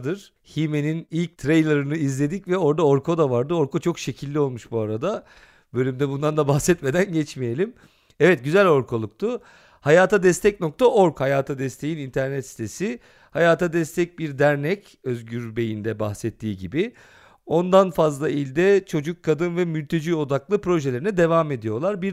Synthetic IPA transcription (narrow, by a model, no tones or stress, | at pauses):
d̪ɯɾ̥ | hime̞ninilʲc̚t̪ʰɾejlʲˠeɾɯnɯizlʲe̞d̪icvɛo̞ɾd̪ao̞ɾkʰo̞d̪avaɾd̪ɯo̞ɾkʰot͡ʃʰo̞kʃe̞cʰilʲːio̞lˠmuʃbuaɾad̪a | bø̞lʲymd̪ɛbund̪and̪abaxsɛt̪me̞d̪ænɟɛt͡ʃmije̞lʲim | ɛvɛt̪̚ɟyzælʲo̞ɾkʰolˠuk̚t̪ʰʊ | hajaːt̪ʰad̪ɛst̪ʰɛc̚no̞k̚t̪ʰaʔo̞ɾkhajaːt̪ʰad̪ɛst̪ʰe̞jinint̪ʰæɾnɛt̪si̥t̪ʰe̞sɪ | hajaːt̪ʰad̪ɛst̪ʰɛc̚biɾd̪æɾnɛc | øzɟyɾbe̞jind̪ɛbaxsɛt̪ʰːiːɟibɪ | o̞nd̪anfazlˠailʲd̪ɛt͡ʃʰo̞d͡ʒukʰːad̪ɯnvɛmylʲt̪ʰe̞d͡ʒiːo̞d̪aklˠɯpɾo̞ʒelʲeɾinɛd̪e̞vaːme̞d̪ijo̞lˠaɾbiɾ